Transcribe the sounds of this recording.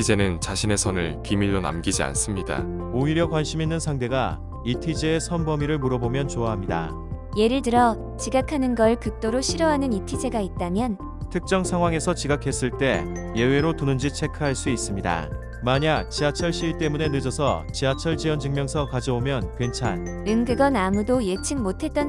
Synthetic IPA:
id͡ʑe̞nɯnt͡ɕaɕʰine̞sʰʌnɯɭkimiʎːona̰mɡid͡ʑia̰ns͈ɯmɲida̰ | oiɾjʌkwanɕʰiminːɯnsʰaŋte̞ɡa | itʰid͡ʑeːsʰʌnbʌmiɾɯɭmuɾʌbomjʌnt͡ɕoaɦamɲida̰ | je̞ɾɯɭtɯɾʌ | t͡ɕiɡakʰanɯnɡʌɭkɯk̚t͈oɾoɕʰiɾʌɦanɯnitʰid͡ʑe̞ɡait̚t͈amjʌn | tʰɯk̚t͡ɕ͈ʌŋsʰaŋɦwaŋe̞sʰʌt͡ɕiɡakʰe̞s͈ɯɭt͈e̞̰ | je̞we̞ɾotonɯnd͡ʑit͡ɕʰe̞kʰɯɦaɭs͈uis͈ɯmɲida̰ | maɲak̚t͡ɕiat͡ɕʰʌɭɕ͈ʰiit͈e̞mune̞nɯd͡ʑʌsʰʌ̰t͡ɕiat͡ɕʰʌɭd͡ʑijʌnd͡ʑɯŋmjʌŋsʰʌkad͡ʑʌomjʌnkwe̞nt͡ɕʰan | ɯŋɡɯɡʌnamudoje̞t͡ɕʰinmotʰe̞t̚t͈ʌn

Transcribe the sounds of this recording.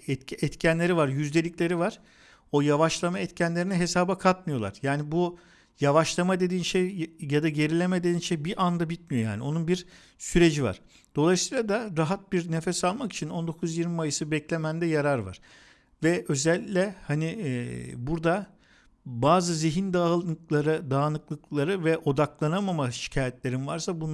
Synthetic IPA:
ɛt̪ɛt̪cʰænlʲe̞ɾivaɾjyzlʲe̞lʲiclʲe̞ɾivaɾ̥ | o̞javaʃlˠamaɛt̪cʰænlʲeɾinɛɦe̞saːbakʰat̪̚mɯjo̞lˠa̰ɾ̥jaːnibu | javaʃlˠamad̪e̞d̪iːnʃejjad̪aɟe̞ɾilʲemɛd̪ed̪inʃejbiʔand̪abit̪mijo̞ja̰ːnio̞nunbiɾ | syɾe̞d͡ʒiva̰ɾ̥ | d̪̥o̞lˠajɯsɯjlˠad̪aɾaɦat̪̚biɾnefɛsalˠmaki̥t͡ʃʰino̞nd̪o̞kʰuzjiɾmiajɯsɯbɛclʲe̞mænd̪ɛjaɾaɾva̰ɾ̥ | vɛʔø̞zɛlʲiclʲɛhani | buɾd̪a | baːzɯziɦind̪aːɯklˠaɾɯd̪aːnɯklˠɯklˠaɾɯvɛʔo̞d̪aklˠanamamaʃi̥cʰaːjɛt̪lʲe̞ɾinvaɾsabun

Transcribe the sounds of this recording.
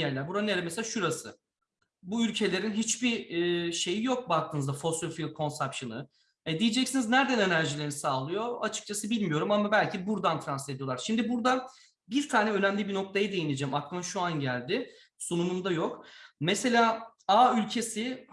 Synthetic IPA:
jæɾlʲæɾbuɾaneɾɛmeseaːʃuɾasɯ̰ | buylʲcʰe̞lʲe̞ɾinɦit͡ʃbiʃe̞jijok̚bak̚t̪ʰɯːnɯzd̪afo̞sofilˠkʰo̞nsapʃɯnɯ̰ | ɛd̪ijid͡ʒɛcsiniznæɾd̪æne̞næɾʒilʲenisaːlˠɯjo̞at͡ʃʰɯ̥k̚t͡ʃʰasɯbilʲmijo̞ɾumamabælʲcʰibuɾd̪ant̪ʰɾanslʲe̞d̪ijo̞lˠaɾʃimd̪ibuɾd̪a | biɾt̪ʰaːnɛø̞nʲæmlʲibino̞k̚t̪ʰajad̪e̞jinʲed͡ʒɛːmaklˠɯmʃuanɟælʲd̪ɪ | sonunumd̪ajo̞kmese̞lʲaːaːylʲcʰe̞sɪ

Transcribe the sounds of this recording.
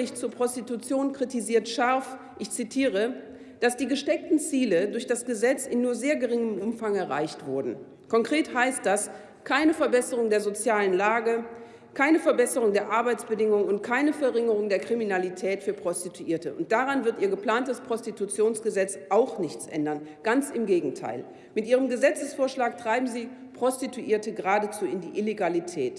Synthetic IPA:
ɪçt͡suːɐpʁ̥ɔstitut͡sjoːnkʁ̥itiziːɐtʃaɐf | ʔɪçt͡sitʰiːʁə | d̥asd̥iːɡəʃtɛk̚tn̩t͡siːlədʊɐçd̥asɡ̥əzɛt͡sɪnːuːɐzeːɐɡəʁɪŋəmʔʊmfaŋɛɐʁa̰ɪçtv̥ʊɐdn̩ | kʰɔŋkʁ̥eːthaɪst̚d̥as | kʰaɪnəfɛɐbɛsəʁʊŋdeːɐzot͡sjaːlənlaːɡə | kʰaɪnəfɛɐbɛsəʁ̞ʊŋdeːɐʔaɐbaɪt͡sb̥ədɪŋʊŋənʊntkʰaɪnəfɛɐʁɪŋəʁʊŋdeːɐkʁ̥iminalitʰɛːtfyːɐpʁ̥ɔstitʰuʔiːɐtəʔʊ̰nt̚d̥aʁanvɪɐtʔiːɐɡəpl̥aːntəspʁ̥ɔstitut͡sjoːnsɡ̥əzɛt͡sʔaʊxnɪçt͡sʔɛ̰ndɐnɡ̥ant͡sɪmɡeːɡŋ̩tʰa̰ɪl | mɪtʔiːʁ̞əmɡəzɛt͡səsfoːɐʃlaːktʁ̥aɪbm̩ziː | pʁ̥ɔstitʰuʔiːɐtəɡəʁaːdət͡suːɪndiːʔileɡalitʰɛːt

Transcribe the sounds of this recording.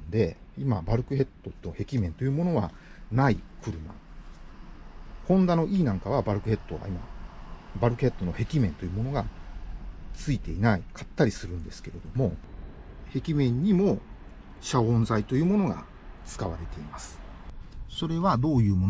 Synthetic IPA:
d̪e̞imabaɾɯ̟kɯ̟he̞t̪ːo̞t̪o̞he̞kʲimẽ̞nt̪o̞jɯ̟ːmo̞no̞βa̰ | naikʰɯ̟ɾɯ̟ma̰ | hõ̞nd̪ano̞ʔiːnãŋkaβ̞abaɾɯ̟kɯ̟he̞t̪ːoβa̰ima̰ | baɾɯkɯ̟e̞t̪ːo̞no̞he̞kʲimẽ̞nt̪o̞jɯ̟ːmo̞no̞ɡa | t͡sɨit̪e̞inaikʰḁt̪ːaɾʲisɨɾɯ̟̃nd̪e̞sɨ̥ke̞ɾe̞d̪o̞mo̞ | he̞kʲimẽ̞ɲ̟ːimo̞ | ɕaõñzait̪o̞jɯ̟ːmo̞no̞ɡa̰ | t͡sɨ̥kaβ̞aɾe̞t̪e̞imasɨ̥ | so̞ɾe̞βad̪o̞ːjɯ̟ːmo

